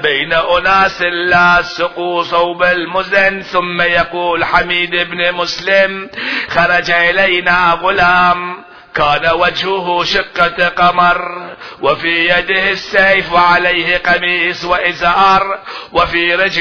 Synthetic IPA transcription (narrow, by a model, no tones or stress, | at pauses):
bajnaʔʊnaːsɪlːaːsʊquːsˤɑwbalmʊzanθʊmːajaquːlħamiːd̪ʔɪbnmʊslɪmxɑɾˤɑd͡ʒaʔɪlajnaːɣʊlaːm | kaːnawad͡ʒhʊɦʊʃɪqːaqɑmɑɾˤwɪfiːjad̪ɪhɪsːajfwaʕalajhɪqɑmiːswaʔɪzaːɾˤwɪfiːɾɪd͡ʒ